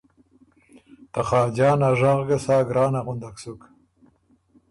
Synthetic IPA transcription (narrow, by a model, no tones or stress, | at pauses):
t̪aχɑːd͡ʒɑːnaʐɑʁɡasɑːɡɾɑːnaʁʊnd̪aksuk